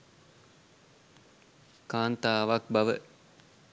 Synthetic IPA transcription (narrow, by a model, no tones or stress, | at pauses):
kaːnt̪aːʋak̚baʋə̰